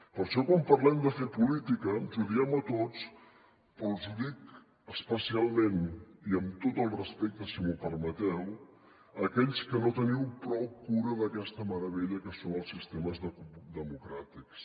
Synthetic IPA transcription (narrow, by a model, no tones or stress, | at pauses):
pəɾʃɔkwampərlɛmd̪əfepulit̪ikəʒuðiɛmət̪ot͡s | pəlˠzuðik | əspəsialˠmeniəmt̪ot̪əlˠrəspek̚t̪əsimupəɾmət̪ɛw | əkɛʎskənot̪əniwpɾɔwkuɾəðəkɛst̪əməɾəβeʎəkəsonəlˠsːist̪eməzðəd̪əmukɾat̪iks